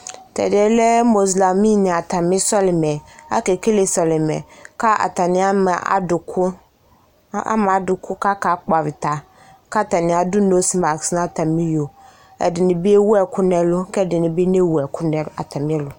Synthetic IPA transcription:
tʰɛ̰˨dɪ˨ɛ˨lɛ˦mo˨zla˨mĩ˦nɪ̃˨a˨tʰa˨mɪ̃˦sɔ˦lɪ˨mɛ˨a̰˦kɛ˨kʰe˦le˨sɔ˨lɪ˨mɛ̰̃˨kʰa˦a̰˨ta˨nɪ̃˦a˦ma˨a̰˨dʊ˨kʰʊ˦ | a̰˦m˨a˨˦dʊ˨kʰʊ˦ka˦ka˨˦k͡pa˨ɾɪ˨tʰa˨ | kʰa˦˨ta˨nɪ̃˨˦a˨dʊ˦no˦si˦ma˨ksnã˦˨tʰã˨mĩ˦jo˨ | ɛ̰˨dɪ˨nɪ̃˨bi˦e˦wu˦ɛ˨kʰʊ˦nɛ˦lʊ˦kɛ˦dɪ˨nɪ̃˨bi˦nẽ˦wu˨ɛ˨kʰʊ˦nɛ̃˦a˨tʰa˨mɪ̃˦ɛ˦lʊ˨

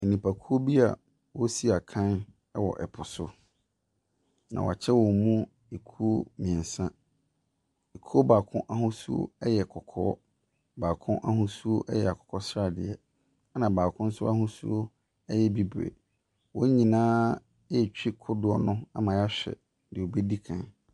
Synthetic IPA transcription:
ɛ˨nĩ˨pʰa˨kʰu˦o˦bi˦a̰˨ | wɔ˦si˦a˨kʰã˦n | ɛ˦wɔ̰˨ʔɛ˨pʰʊ˨sʊ˦ | nã̰˨wɔ̰˨a˨t͡ɕʰɛ˦wɔ˨mũ˦ | e˨kʰu˦o˦mĩ˨ɛ̃˨nsã˦ | e˨kʰu˦o˦baː˨kʰʊ̰̃˦ʔa˦hʊ̃˦sṵ˦o̰˦ɛ˦jɛ˨kʰɔ˨kʰɔ̰ː˦ | baː˨kʰʊ̃˦ʔa˦hʊ̃˦su˦o˦ʔɛ̰˦jɛ˨a˨kʰɔ̥˨kʰɔ˦sɾa˦˨dɪ˨ɛ˨ | a˦nã˨baː˨kʰʊ̃˦n̩˦sʊ˦a˦hʊ̃˦sṵ˦o˦ | ɛ˦jɛ˦bi˦bɾḛ˨ | wɔ˦ɲĩ˨nãː˦ | ɛ˦˨t͡ɕᶣi˦kʰʊ˦dʊ˦ɔ˨nʊ̃˦a̰˦mã˨ja˦ɕᶣɛ̰˨ | dɪ˨o˨be˦di˦kʰã̰˨n

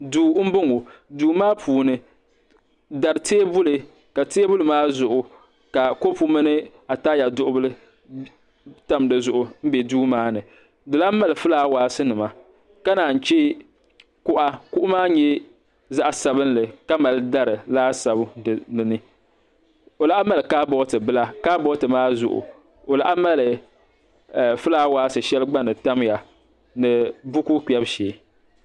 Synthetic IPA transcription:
duː˦m̩˦bʊ˦ŋo˨duː˨˦maː˦pʰuː˨nɨ˨ | da˨ɾɨ˨teː˦bʊ˦lɨ˨ | ka˨teː˦bʊ˦lɨ˨maː˦zʊ˨ʔʊ˨ | ka˨ko˦pu˦mɨ˦nɨ˦ | a˨taː˦ja˨dʊ˦ʔʊ˦bɨ˦lɨ˦ | ta˦m˨dɨ˨zʊ˨ʔʊ˨m̩˦bɛ˨duː˦maː˦nɨ˨ | dɨ˨la˦ma˦lɨ˨fɨ˦laː˦waː˨sɨ˦nɨ˨ma˨ | ka˦naː˨n̩˨t͡ʃɛ˦ | kʊ˦ʔa˦kʊ˦ʔʊ˦maː˦ɲɛ˦ | za˦ʔa˨sa˨bɨ˦n˦lɨ˨ka˦ma˨lɨ˦da˦ɾɨ˨laː˦sa˨bnɨ˨nɨ˦ | o˨la˨˦ʔa˦ma˦lɨ˨kaː˦bɔ˦tɨ˨bɨ˦la˦kaː˦bɔ˦tɨ˨maː˦zʊ̰˨ʔʊ̰˨ | o˨la̰˨ʔa˦ma˦lɨ˨ | fɨ˦laː˦waː˦sɨ˨ʃɛ˦lɡ͡ba˦nɨ˨ta˦mja˨ | nɨ˨bʊ˦ku˦k͡pɛ˦bʃeː˨˦

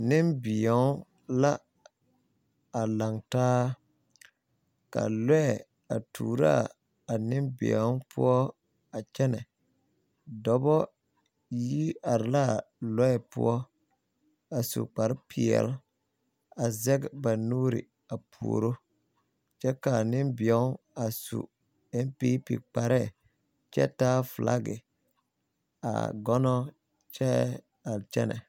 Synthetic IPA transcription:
nɪ˦mbɪ˨ɔ˨˦ | la˦ | a˨la˨ŋtaː˦ | ka̰˨lɔ˦ɛ˨ | a̰˨tʰuː˨ɾa̰˦˨ | a˨nɪ˦mbɪ̰˨ɔ˨˦pʰʊ̰˦ɔ˦ | a˨t͡ʃɛ˦nɛ˨ | dɔ˨bɔ˦ | ji˦a˨ɾɪ˨la˦˨lɔ˦ɛ˨pʊ̰˦ɔ˦ | a˨sṵ˨k͡pa˨ɾɪ˦pʰɪ˨ɛ̰˨l | a˨zɛ˦ɡba˨nuː˦ɾḭ˨ | a˨pʰṵ˨o̰˨ɾo˦ | t͡ʃɛ˦ka˨nɪ˦mbɪ˨ɛ˦ | a˨sṵ˨ | ɛ˦m˦pi˦pḭ˨k͡pa˨ɾɛ˦˨ | t͡ʃɛ̰˦taː˦flʔa̰˦ɡɪ̰˨ | a̰˨ɡɔ˦nɔ˦ | t͡ʃɛ˦ | a˨lt͡ʃɛ̰˦nɛ̰˨

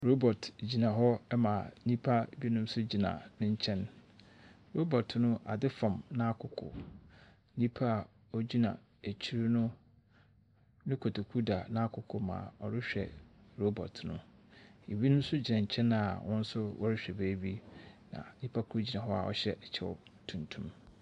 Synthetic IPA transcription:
ɾo˦bɔ˨td͡ʑi˨nã˨ɦɔ˦ɛ˦mã˨nĩ˦pʰa˦˨bi˦nʊ̃˦m˦sʊ˦d͡ʑi˨nã̰˨nʊ̃˦ɲ˦t͡ɕʰɛ̃˦n | ɾo˦bɔ˨tʰnʊ̃˦ʔa̰˨dɪ˦fã˨mnã˦kʰʊ˨kʰʊ̰˨ | nĩ˦pʰa˦˨ | ɔ˦d͡ʑi˦nã̰˨ | æ˨t͡ɕʰi˦ɾi˦nʊ̃˦ | nʊ̃˦kʰo˨tʰo˨kʰu˦da˨nã˦kʰʊ˨kʰʊ˨mã̰ː˨ɔ˨ɾɪ˦ɕᶣɛ̰˨ɾo˦bɔ̰˨tʰʊ˨nʊ̰̃˦e˨bi˦nʊ̃˦m̩˦sʊ˦d͡ʑi˨nã˨ɲ̩˨t͡ɕʰɛ̃˦na˨wʔʊ̃˦n̩˦sʊ˦wɔ̰˦ɾɪ˦ɕᶣɛ˨beː˦bi˦nã̰˨nĩ˦pʰa˦kʰu˦d͡ʑi˨nã˨ɦɔ˦a̰˨ʔɔ̰˨ɕɛ̰˦ɛ˨t͡ɕʰɛ˦˨ɔ̰˦tʰũ˨ntʰũ˦m

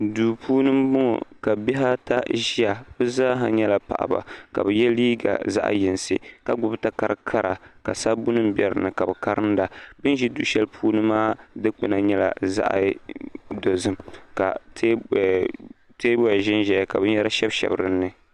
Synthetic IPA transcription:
duː˨pʰuː˦nɨ˦mbʊ˦ŋɔ̰˨ka˨bɛ˦ɦa˦ta˦ʒi˦a˨b̥ɨ˦zaː˦ɦa˨ɲɛ˦la˨pa̰˨ʔa̰˨ba̰˨ka̰˨bɨ˨jɛ˦liː˦ɡa̰˨za̰˦ʔjɪ˨nsɨ̰˦ka˨ɡ͡bʊ˦bta˦ka˦ɾɨ˦kʰa˦ɾʔa˨ka̰˨sa˦bʊ˦nɨ˦m˦bɛ˨ɾɨ̰˨nɨ˨ka˨bɨ˨ka˦ɾɨ˦nda˨bɨ˦n˦ʒi˦du˦ʃɛ˦lpʰuː˦nɨ˦mːaː˦dɨ˦k͡pɨ˨na˨ɲɛ˦la̰˨za̰˦ʔa̰˨ | do˨zɨ˦mka̰˨tː | teː˦bɔ˦ja˨ʒɪ˦nʒɛ˨ja˨ka˨bɨ˦ɲɛ˦ɾa˦ʃɛ˦bʃɛ̰˨bɨ˦ɾɨ˦nːɨ˨

